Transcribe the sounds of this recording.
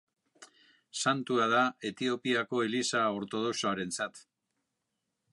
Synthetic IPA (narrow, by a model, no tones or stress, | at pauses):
sant̪uað̞ae̞t̪io̞piako̞elisao̞ɾt̪o̞ð̞o̞soaɾe̞nt͡sat̪